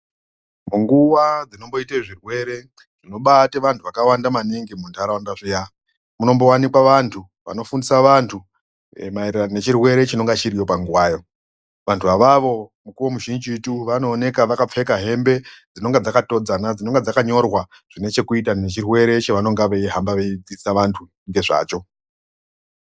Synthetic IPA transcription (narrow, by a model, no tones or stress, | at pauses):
muŋɡuwad͡zino̞mbo̞iteʐirwe̞ɾe̞ | d͡zino̞ɓateʋantʰuʋakawandamaniŋɡemundaɾawandaʐija | muno̞mbo̞wanikwaʋantʰu | ʋa̰no̞fundisaʋantʰu | maererane̞t͡ʃirwe̞ɾe̞t͡ʃino̞ŋɡat͡ʃiɾijo̞paŋɡuwaːjo̞ | ʋantʰuʋaʋaʋo̞mukuwomuʒind͡ʒituʋano̞ːne̞kaʋakap͡fe̞kaɦe̞mbe̞d͡zino̞ŋɡad͡zakato̞d͡zanad͡zino̞ŋɡad͡zakaɲo̞rwa | ʐ̥ine̞t͡ʃe̞kuitane̞t͡ʃirwe̞ɾe̞t͡ʃaʋano̞ŋɡaʋeiɦambaʋeid͡zisaʋantʰu | ŋɡe̞ʐa̰ːt͡ʃo̞